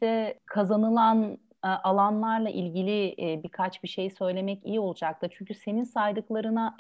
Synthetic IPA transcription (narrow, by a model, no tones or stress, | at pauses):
ɛkʰazanɯlˠan | ʔalˠanlˠaɾlˠaʔilʲɟilʲibikʰat͡ʃbiʃe̞jisø̞jlʲe̞mɛcijio̞lˠud͡ʒak̚t̪ɯt͡ʃʰyɲcʰyse̞ninsajd̪ɯklˠaɾɯna